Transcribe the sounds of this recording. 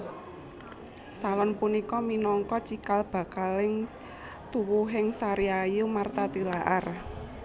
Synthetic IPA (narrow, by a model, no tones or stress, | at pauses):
salɔnpunikɔminɔŋkɔt͡ʃikalb̥a̤kalɪŋ | t̪uwuɦɪŋsaɾiajumart̪at̪ilaʔar